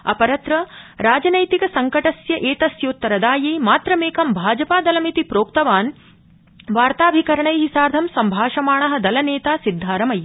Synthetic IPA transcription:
ɐ̰pɐɾɐt̪ɾɐɾaːd͡ʒɐnɐjt̪ikɐsɐŋkɐʈɐsjɐʔeːt̪ɐsjoːt̪ːɐɾɐd̪aːjeːmaːt̪ɾɐmeːkɐmbʱaːd͡ʒɐpaːd̪ɐlɐmit̪ipɾoːkt̪ɐʋaːn | ʋaːɾt̪aːbʱikɐɾɐɳɐjɦisaːɾd̪ʱɐmsɐmbʱaːʃɐmaːɳɐɦɐ̆d̪ɐlɐneːt̪aːsid̪ʱːaːɾɐmɐj

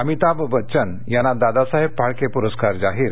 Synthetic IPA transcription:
amit̪aʋʋətːt͡ɕən | janːad̪ad̪asaɦeb̚paɭkepuɾəskaɾd͡zaɦiːɾ

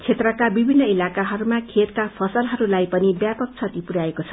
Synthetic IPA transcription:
t͡sʰet̪rʌkabibʱinːʌilakaɦʌɾumakʰet̪̚kapʰʌsʌlɦʌɾulajpʌnibjapʌk̚t͡sʰʌt̪ipuɾaekot͡sʰʌ̥

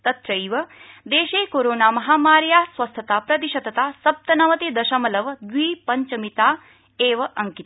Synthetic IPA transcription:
t̪ɐt̪ɾɐjʋɐd̪eːʃeːkoːɾoːnaːmɐɦaːmaːɾjaːsʋɐst̪ʰɐt̪aːpɾɐt̪iʃɐd̪ɐt̪aːsɐp̚t̪ɐnɐʋɐt̪id̪ɐʃɐmɐlɐʋd̪ʋiːpɐɲt͡ʃɐmit̪aː | eːʋɐʔɐŋkit̪

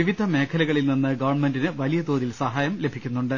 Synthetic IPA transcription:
iʋid̪ʱɐme̞ːkʰɐlɐɣɐɭilninːɨɡɐʋɐrɳme̞ndinɨʋɐlijɐd̪oːðilsɐɦaːjɐmle̞bʱikʲːunːuɳɖɨ

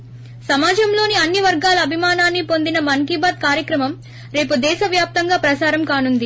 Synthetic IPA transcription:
sɐmaːd͡ʒɐmlo̞ːniɐnːiʋɐɾɡaːlɐɐbʱimaːnaːnːipo̞nd̪inɐmɐŋɡibaːd̪̚kaːɾjɐkɾɐmɐm | ɾe̞ːpud̪ɛːʃɐʋjaːp̚t̪ɐŋɡaːpɾɐsaːɾɐmkaːnund̪i

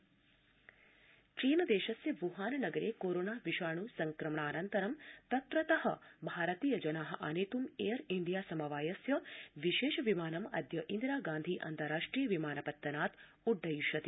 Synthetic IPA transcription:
t͡ʃiːnɐd̪eːʃɐsjɐʋuɦaːnɐnɐɡɐɾeːkoːɾoːnaːʋiʃaːɳuːsɐŋkɾɐmɳ̃aːnɐnt̪ɐɾɐmt̪ɐt̪ɾɐt̪ɐɦɐbʱaːɾɐt̪iːjɐd͡ʒɐnaːɦɐ̆ʔa̰neːt̪umejɐɾind̪ijaːsɐmɐʋaːjɐsjɐʋiʃeːʃɐʋimaːnɐmɐ̰d̪jɐʔind̪ɾaːɡãːnd̪ʱiːʔɐ̰nt̪ɐɾaːʂʈɾiːjɐʋimaːnɐpɐt̪ːɐnaːt̪ | uɖːɐjuʃɐt̪i

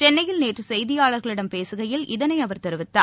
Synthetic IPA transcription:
t͡ʃɛnːɐjɪlneːʈrɯsɛjðɪjaːɭɐɾɣɐɭɪɽɐmpeːsɯɣɐjɪlʔɪðɐnɐɪɐʋɐɾt̪ɛɾɯʋɪt̪ːa̰ː

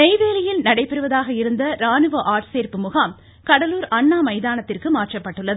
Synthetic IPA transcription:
ɛɪʋeːlɐjɪlnɐɽɐɪpːɛɾɯʋɐðaːɣɐɪɾɯnd̪ɐɾaːnɯʋɐʔaːɾʈseːɾpɯmʊɣaːm | kɐɽɐluːɾɐɳːaːmɐɪðaːnɐt̪ːɪrkɯmaːrʈrɐpːɐʈːɯɭːɐð

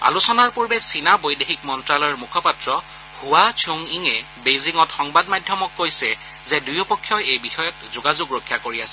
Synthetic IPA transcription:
a̰lusɔnaɹpuɹbɛsinabojdexikmɔntɹalɔɹmukʰɔpatɹɔ | huat͡ʃʰoŋiŋɛ | beziŋɔtxɔŋbadmadʱjɔmɔkːojsɛ | zɛdujɔpɔkʰːjɔjejbixɔjɔtzoɡazuɡɹokʰːjakoɹiasɛ

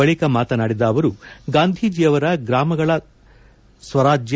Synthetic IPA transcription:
ɐɭikɐmaːt̪ɐnaːɽid̪ɐːʋɐɾuɡaːnd̪ʱiːd͡ʒijɐʋɐɾɐɡɾaːmɐɡɐɭɐ | sʋɐɾaːd͡ʒj

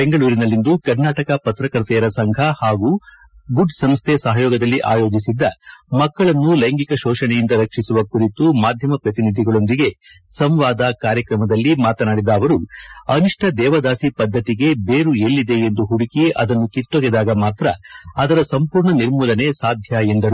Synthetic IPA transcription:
be̞ŋɡɐɭuːɾinɐlːind̪ukɐɾnaːʈɐkɐpɐt̪ɾɐkɾt̪ɛjɐɾɐsɐŋɡʱɐhaːɡuː | ɡuɖsɐmst̪ʰesɐɦɐjɔːɡɐd̪ɐlːiʔaːjo̞ːd͡ʒisid̪ːɐmɐkːɐɭɐnːulɐjŋɡikɐʃɔːʃɐɳɛjind̪ɐɾɐkʂisuʋɐkuɾit̪umaːd̪ʱjɐmɐpɾɐt̪inid̪ʱiɡɐɭo̞nd̪iɡe̞ | sɐmʋaːd̪akaːɾjɐkɾɐmɐd̪ɐlːimaːt̪ɐnaːɽid̪ɐːʋɐɾuɐniʂʈʰɐd̪ɛːʋɐd̪aːsipɐd̪ʱːɐt̪iɡe̞beːɾuelːid̪e̞end̪uɦuɽikɛje̞ʔɐd̪ɐnːukit̪ːoɡɛd̪aːɡɐmaːt̪ɾɐɐd̪ɐɾɐsɐmpuːɾɳɐniɾmuːlɐne̞saːd̪ʱjaend̪ɐɾu

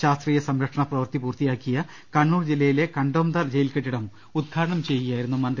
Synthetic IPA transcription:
ɕaːst̪riːjɐsɐmɾɐkʂɐɳɐprɐʋɐrt̪ipuːrt̪ijaːkːijɐ | kɐɳːuːrd͡ʑilːɐjile̞kɐɳɖoːmd̪ɐrd͡ʑejilkeʈːiɽɐm | ud̪̚ɡʰʱaːɾɐɳɐmt͡ɕejːijaːjiɾunːumɐnd̪

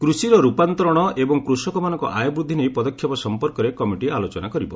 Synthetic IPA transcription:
kɾusiɾɔɾupant̪ɔɾɔɽ̃ɔʔebɔŋkɾusɔkɔmanɔŋkɔ̰ʔajɔbɾud̪ʱːinejpɔd̪ɔkʰːjɔpɔsɔmpɔɾkɔɾekɔmiʈialot͡ʃɔnakɔɾibɔ

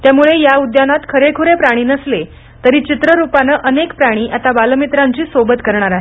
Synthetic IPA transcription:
t̪jamuɭejaud̪janat̪kʰəɾekʰuɾepɾaɽ̃iːnəsle | t̪əɾiːt͡ɕit̪ɾəɾupanəʔənekpɾaɽ̃iːʔat̪abaləmit̪ɾaɲt͡ɕiːsʋobət̪kəɾɳ̃aɾaɦe

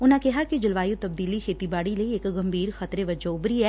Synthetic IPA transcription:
ʊnãkɛɦakid͡ʒɪlʋaːjut̪ɐb̚d̪iːlikʰeːt̪ibaːɽileeːkɡɐmbʱiːɾxɐt̪ɾeʋɐd͡ʒaʊbɾiɦɛː

